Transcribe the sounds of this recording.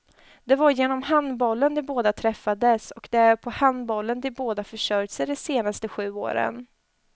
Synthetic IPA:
d̪̥ɛvaɾjeːnɔmɦand̪bɔlːənd̪ɛboːd̪at̪ʰɾɛfːad̪əsɔkd̪ɛæɾpʰɔhand̪bɔlːənd̪ɪboːd̪afœʂœɾjsəɖɛseːnast̪əɧʉ̟ːo̰ːɾə̰n

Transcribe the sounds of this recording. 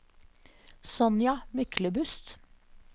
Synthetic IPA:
sɔnjɑmʏkʰləbʉst̪

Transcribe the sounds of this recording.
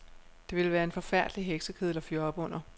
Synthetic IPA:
d̥e̝ʋe̝lʋæːɐe̝nfɒ̽fæɐ̰d̥liɦeɡ̥səkʰeðˠlɒ̽fjɒb̥ɔ̽n̰ɐ

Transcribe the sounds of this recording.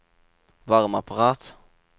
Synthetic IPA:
vaɾmapaɾɑːt̪

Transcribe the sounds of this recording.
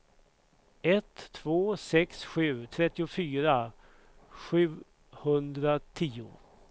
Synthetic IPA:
ɛt̪ʰːvoːsɛksɧʉ̟ːt̪ʰɾɛt̪ːɪʊfyːɾa | ɧʉ̟ː | hɵnd̪ɾat̪ʰiːʊ̰

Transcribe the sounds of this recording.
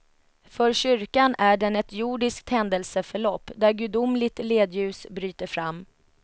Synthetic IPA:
fœɾɕʏɾkanæɖɛnɛt̪juɖɪsk̚t̪hɛnd̪əlsəfœɭɔpːd̪æɾɡʉd̪ʊmlɪɡ̚t̪leːd̪jʉ̟ːsbɾyːt̪əɾfɾamː

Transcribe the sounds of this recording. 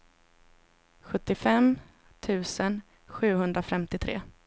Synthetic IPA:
ɧɵt̪ːɪfɛm | t̪ʰʉ̟ːsən | ɧʉ̟ːɦɵnd̪ɾafɛmt̪ɪt̪ʰɾḛː

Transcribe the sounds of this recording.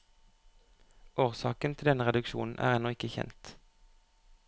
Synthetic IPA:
ʔoːʁsɑːkənt̪ʰɪld̪ɛnəʁɛd̪ʉkʃṵːn̩ʔæ̰ːʁɛnɔɪkəçɛ̰nt̪

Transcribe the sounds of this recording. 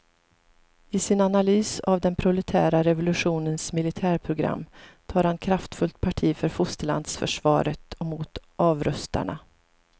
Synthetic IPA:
ɪsɪnanalyːsavd̪ɛnpʰɾʊlɛt̪ʰæːɾaɾɛvʊlɵɧuːnənsmɪlɪt̪ʰæːɾpʰɾʊɡɾa̰mːt̪ʰɑːɾhankʰɾaft̪fɵlt̪̚pʰaʈʰiːfœɾfʊst̪əla̰nd̪sfœ̰ʂvɑ̰ːɾət̪ʰɔmʊt̪ʔɑːvɾœst̪a̰ɳa̰

